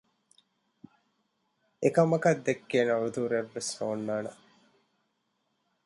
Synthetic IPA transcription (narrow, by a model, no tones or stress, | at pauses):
ekɐmɐkɐd̪ːekːeːnɐud̪uːɾeʋːesnoːnːaːnɐ̰